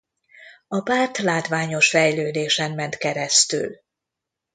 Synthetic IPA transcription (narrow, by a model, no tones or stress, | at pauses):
ɒpaːrt̪laːt̪ʋaːɲo̞ʃfɛjløːd̪eːʃɛmːɛnt̪kɛɾɛst̪y̰l